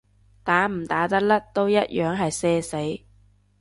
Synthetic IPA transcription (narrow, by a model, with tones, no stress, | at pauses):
t̪aː˨˥m̩˨˩t̪aː˨˥t̪ɐ˥k̚lɐ˥k̚t̪o˥wjɐ˥t̚jʔœː˨˧˥ŋɦɐ˨jsɛː˥se˨˥j